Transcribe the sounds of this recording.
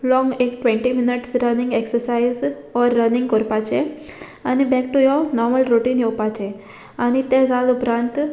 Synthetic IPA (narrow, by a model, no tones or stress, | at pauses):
lɔ̃ŋɡekʈʋɛ̃ɳʈiminiʈsɾənĩŋɡeksəɾsaiz | ɔɾːənĩŋɡkəɾpat͡ɕe | anibɛk̚ʈujɔnɔɾməlɾoʈiːnjowpat͡ɕe | anit̪ɛ̃d͡zalupɾãnt̪